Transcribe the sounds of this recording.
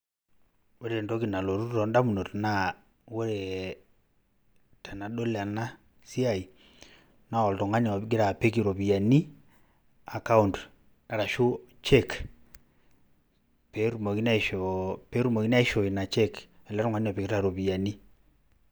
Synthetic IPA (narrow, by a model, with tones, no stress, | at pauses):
wo˦ɾe˨nto˦ki˨na˨lo˨ɾu˦ɔ˨nda˦mu˨no˨tna˦ | wo˦ɾe˨ | ta˨na˨ɗo˦la˨na˦ | si˦a˦˨i˨ | na˦wɔ˨ltɔ˨ŋa˦ɲ˨˦ɡɪ˦ɾa˨pe˦k̬i˨ɾo˨pi˨ja˨ni˦ | a˨ka˦u˦˨nt | na˨ɾa˨ʃu˦t͡ʃɛ˦k | pe˨ɾu˨mo˨ki˦na˦˨ʃope˦ɾu˦mo˨ki˦na˦i˦ʃo˨i˨na˨t͡ʃe˦kɛ˨la˦ɾɔ˦ŋa˦ɲ˦a˨pi˨kɾa˨ɾo˨pi˨ja˨ni˦